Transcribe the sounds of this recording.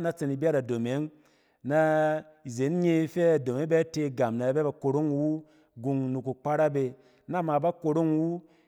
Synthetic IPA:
na˦t͡se˧ni˨bʲa˦ɾa˨do˨me˨˦ŋ | na˦ | i˨ze˨˦n˦ɲe˧˦fe˦a˨do˨me˨˦be˦te˧˨ɡa˨mna˨˦be˦ba˧ko˧ɾo˦ŋwu˦ | ɡu˧ŋnu˧ku˨k͡pa˦ɾa˦be˧ | na˦˨ma˨ba˦ko˧ɾo˦ŋwu˦

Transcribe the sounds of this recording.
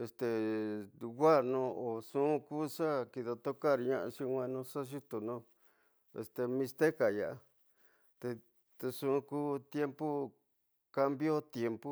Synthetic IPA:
e˧st̪e˨ | ɡa˦˨nõ˧o˨sũ˦˧˦kuː˦ʂa˦ki˧ða˧t̪o˦ka˦˨ɾi˧ɲã˦˧ʔã̰˧ʃĩ˧wʷẽ˧nũ˧ʂa˦ʃu˦t̪u˨nõ˧ | ḛ˨st̪e˧mĩ˧st̪e˦ka˨ja˨ʔa˧ | t̪e˧ | t̪e˧ʂũ˦˧kuː˦t̪je˦mpu˦ | ka˦˧mbjo˦t̪je˧mpu˦

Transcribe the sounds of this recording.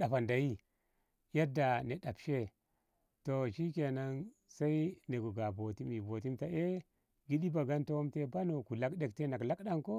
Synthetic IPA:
ɗa˨fa˨nda˨ji˦ | ja˦da˨ne˨ɗa˨pʃe˦ | to˨ʃi˦ke˨na˦n | sa˦i˦ne˨ɡo˨ɡa˨bo˨ti˦mi˨bo˨ti˦mta˦ʔe˦ | ɡi˦ɗi˦ba˨ɡa˦nto˦wo˦mte˦ba˦no˨ku˨la˦kɗe˦k̚te˦na˨kla˦kɗa˦ŋko˦

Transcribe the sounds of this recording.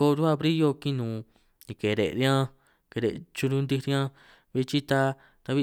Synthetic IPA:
o˧ɾu˦a˦˧βɾi˦jo˧kĩ˦nũː˨ | nĩ˧ke˨ɾḛ˨ʔɾi˧˦ã˦ | ke˧ɾḛ˨t͡ʃu˧ɾũ˧nd̪i˧ɾjã˦ | βi˧t͡ʃi˦t̪a˧ | t̪a˧βi˦˧

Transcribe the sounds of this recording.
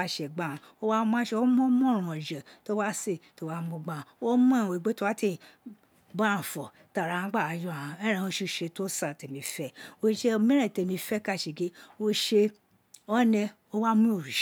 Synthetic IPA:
a˦ʃe˨ɡ͡ba˦˨ | o˦wa˦m˦a˦ʃe˧o˦mɔ̃˦mɔ̃˦˨ɾ̃ũ˨ɔ̃˨d͡ʒɛ˨to˦wa˦se˦˨to˦wa˦mũ˧ɡ͡bã˦˨wo˦m˦ã˦˨we˨ɡ͡be˦to˦wa˦ti˦˨ | bã˦ũ˨fɔ˨ | ta˨ɾa˨ã˦ɡ͡ba˦˨a˨jɔ˦a˨ã˨ɛ˦ɾ̃ɛ̃˧o˧ʃi˧˦ʃe˧to˦sa˦˨te˨mĩ˧fɛ˦o˦ʃe˧˦˧mĩ˦ɛ̃˦˨te˧˨mĩ˧fɛ˦ka˦˨ʃe˨ɡe˦o˧ʃe˧ | ɔ˦nɛ̃˧ | o˦wa˦mũ˦o˦˨ɾi˨ʃ

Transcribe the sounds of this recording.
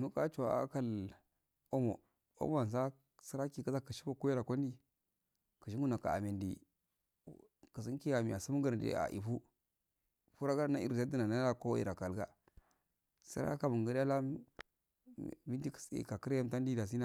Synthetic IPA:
nu˦ka˦t͡ʃu˨a˨a̰˦ka˦˨l | o˦mo˨ | o̰˦m˦a˨n˨s̬a˦ | sə˦ɾa˦ki˦˨kə˦za˦kə˨ʃi˦bo˦ku˦ji˦ɾa˨kʷo˦n˦di˦ | kə˨ʃ̬i˦ŋɡu˦na˨ka̰˨a̰˨me˨ndḭ˨ | kə˨s̬i˦ki˦a˨mi˨a˨su˦m˦ɡə˦ɾdḛ˨˦a̰˨ʔḭ˨fu˦ | fu˦ɾa˦ɡa˦na˦ḭ˦˨ɾza˦də˦na˨na˦la˦ko˦ḭ˨ɾa˨ka˨lɡa̰˦ | sə̰˦ɾa̰˦ka˦mu˨ŋ˨ɡə˦ɾa˦la˦˨ | bi˦ndi˦ksḭ˨ka˨kə˦ɾja˦m˦ta˦ndi˦da˨s̬i˦na˦

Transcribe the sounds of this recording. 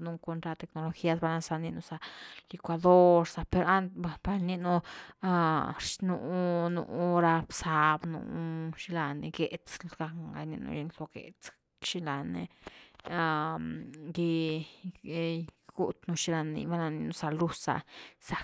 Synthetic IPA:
nu˧ko˧nt̪ɾa˧t̪e˧kno˧lo˧xi˦a˧s̬ba˧la˧sa˧ni˧nu˧sa˧li˧kʷa˧d̪o˦ɾsa˧pe˧ɾa˦nt̪a˧pa˧ɾni˦nu˧a˧ɾʃnu˧˦nṵ˧˦ɾa˧bsa˧bnṵ˧ʃi˧la˧ni˧ɡe˨t͡slɡ̥a˧ŋɡa̰˧ni˧nṵ˧ji˧nlo˧ɡḛ˨t͡s | ʃi˧la˨nḛ˧ | a˧ | ɡi˧ | ɡ̥u˦t̪nu˧ʃi˧˦ɾa˧nḭ˧ba˧la˧ni˧nu˧sa˧lu˧sa̰˧sa˨

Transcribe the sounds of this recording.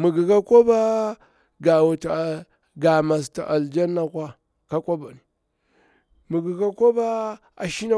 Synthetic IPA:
mə˨ɡi˨ka˦ko˦ba˦ | ɡa˨wa˨ta˨ | ɡa˨ma˨s̬ta˨ʔa˨ld͡ʒa˦nːa˦kʷa˦ | ka˦kʷa˦ba˨ni˨ | mə˨ɡi˨ka˦ko˦ba˦ | a̰˨ʃi˦na˦

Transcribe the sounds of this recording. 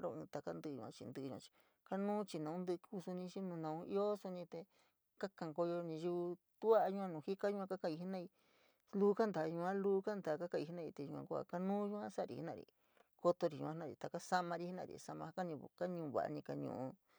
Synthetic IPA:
ɾo̰˧˨ɨ̃ː˧t̪a˧ka˦nd̪ɨ˧ɲṵ̃˧ã̰˧t͡ʃḭ˧nd̪ɨ˧ɲũ˧ã̰˧t͡ʃi̥˧ | ka˦nũː˦t͡ʃi˧nã˨ũ˦nd̪ɨ˦˧kʰu˧su˧nĩ˧t͡ʃi˦nũ˧nã˧˨ũ˧ḭ˦o˦su˧nĩ˧t̪e˧ | ka˦kã˧˨ŋko˧jo˧nĩ˧ʒu˧ | t̪u˦a˦ʔɲu˧ã˧nũ˨hi˦ka˦jũ˧ã˧ka˦kã˧i˧i˧˦nã˦˧i˧ | luː˦ka˦nd̪a˨˧ɲũ˧ã˦luː˦ka˦nd̪a˨ka˦kã˧i˧˨i˧˦nã˧i˧t̪e˧ɲũ˧ã̰˧ku˦a̰˧ka˦nũː˦ɲũ˧ã˦sa˦˧ɾḭ˨hi˦nã̰˧˨ɾḭ˧ | ko˧t̪o˧ɾi˨ṵ̃˧ã˧nã˦˨ḭ˨˧t̪a˨ka˦sa˦mã˧ɾi˧˦i˦nã̰˧˨ɾḭ˨sa˧mã˧ha˦ka˦ɲĩ˧ka˦ɲũː˧βa̰˨ʔa̰˧nĩ˧ka˧ɲṵ̃˧˨ũ˧

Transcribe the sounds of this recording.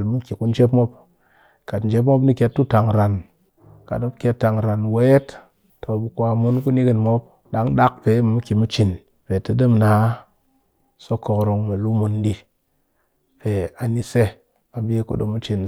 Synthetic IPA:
lmu˦ki˨ku˦n˦d͡ʒe˦pmo˦p | ka˨tn̩˨d͡ʒe˦p̬mo˦pni˦kʲe˧tːu˦ta˨ŋɾa˨n | ka̰˨do˦pkʲe˧tːa˨ŋɾa˨nwe˦e˦t | tʰo˨bu˨kʷa˧mu˦nku˦ni˦ki˨nmo˦p̚ | ɗa˦ŋɗa˦k̚pe˨˦m˨mu˦ki˨mu˦t͡ʃi˨n | pe˨tɨ˨dɨ˦mna˨˦ | so˦ko˧kɾo˧ŋma˨lu˦mu˧ndi˦ | pe˨a˨ni˦se˦ | a˨bi˦e˦ko̰˦ɗo̰˨mu˦t͡ʃi˨n

